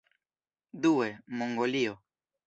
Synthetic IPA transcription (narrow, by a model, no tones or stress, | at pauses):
d̪uemoŋɡolio